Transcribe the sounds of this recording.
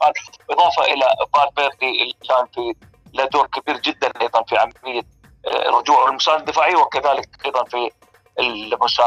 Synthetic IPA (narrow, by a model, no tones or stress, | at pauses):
baʕd̪ħat̪bʔɨðˤɑːfɑʔɪlabaːɾbeːɾd̪iʔɪlːikaːnfi | lad̪oːnkabiːɾd͡ʒɪd̪ːanʔajðˤɑnfiʕa̰malɪjːa̰ | rːʊd͡ʒuːʕwɪlmʊsaːnd̪ːɪfaːʕiwɪkaðaːlɪk̚jðˤɑnfi | ɪlbʊʃaː